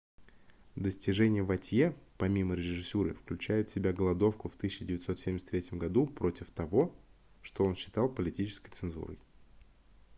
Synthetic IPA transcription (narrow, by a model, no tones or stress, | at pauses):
d̪əsʲtʲɪʐɛnʲɪjəvɐtʲjepɐmʲiməɾʲɪʐɨsʲuɾɨ̰fklʲʉt͡ɕæjʊt̪sʲɪbʲaɡəlˠɐd̪o̞fkʊft̪ɨɕʲɕːɪdʲɪvʲɪt̪so̞t̪sʲemʲsʲt̪ɾʲetʲɪmɡɐd̪upɾʔo̞tʲɪft̪ɐvo̞ | ʂt̪oo̞nɕːɪ̥t̪ɑlˠpəlʲɪtʲit͡ɕɪ̥skəjt̪sɨnzṵɾə̰j